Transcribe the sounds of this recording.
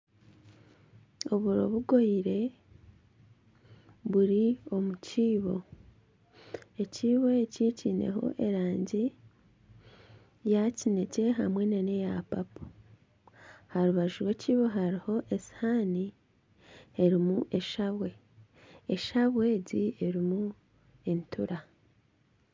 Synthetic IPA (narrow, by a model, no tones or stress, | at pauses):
o̞βuɾo̞̰βuɡo̞iɾe̞ | βuɾio̞muciːβo̞ | e̞ciːβo̞eciːciːne̞̰ɦo̞̰ʔe̞ɾaːɲɟi | jacine̞ce̞ɦa̰mwe̞nane̞japapu̥ | haɾuβaʒuɾwe̞ciːβo̞ɦaɾiho̞ʔe̞si̥hani | e̞ɾimuʔe̞ʃaβwe̞ | eʃaβwe̞ːɟie̞ɾimu | e̞ntʰuɾa